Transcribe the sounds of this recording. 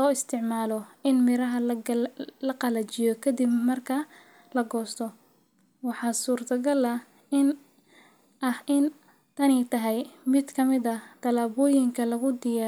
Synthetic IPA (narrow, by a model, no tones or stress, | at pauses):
lɔːɪst̪ʰɪʕmaːlɔʔɪnmɪɾɐɦɐ | lɐqɑlɐt͡ʃɪjɔkʰɐd̪ibmɐrkʰɐ | lɐɡɔːst̪ʰɔ | wɑħɑːsuːrt̪ʰɐɡɐlɐ | ɪn | ʔɐhɪn | t̪ʰɐnɛjt̪ʰɐɦɛjmɪd̪kʰɐmɪðɐt̪ʰɐlaːβɔːjɪŋkʰɐlɐɣʊd̪ɪjaː